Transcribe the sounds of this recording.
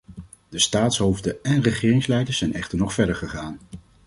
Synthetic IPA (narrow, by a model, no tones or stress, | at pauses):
dəstaːtsɦowvdəɛnrəχɪːrɪŋslɛjdəɹz̥ɛjnɛχtəɹnɔχfɛɹdəɹχəχaːn